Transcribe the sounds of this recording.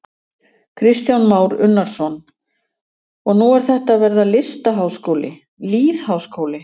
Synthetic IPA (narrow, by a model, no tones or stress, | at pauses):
kʰɾɪst̪jawnmaːwɾʏnːaɾ̥sɔn | ɔɣnuɛɾ̥θɛht̪aðvɛɾðalɪst̪aɦawskowlɪ̰ | liːðhawskoːwlɪ